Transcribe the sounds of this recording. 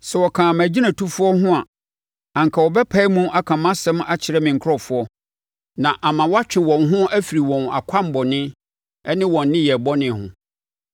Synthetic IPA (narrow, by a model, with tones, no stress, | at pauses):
sɛ˨wɔ˨kʰãː˨a˨mæ˨d͡ʑi˦ã˨tʰu˦fʊ˦ɔ˦hʊ̃˦a˨ | ã˨ŋ̩˨kʰa˨wɔ˨bɛ˦pʰa˦i˦mũ˦ʔa˦kʰã˨mã˦sɛ̃˦ma˦t͡ɕʰɪ˨ɾɛ˦mɪ̃˨ŋ̩˨kʰɔ˦˨fʊ˦ɔ˦ | nã˨ʔa˨mã˨wɔ˦a˦t͡ɕᶣɪ̃˨wɔ̃˨nɦʊ̃˦æ˦fi˨ɾi˨wɔ̃˨na̰˨kʷʰa˦m̩˨bɔ˨nɪ̃˦ | ɛ˦nɪ̃˦wɔ̃˨nː˦ɪ̃˦jɛ˨bɔ˦nɪ̃˨˦hʊ̰̃˨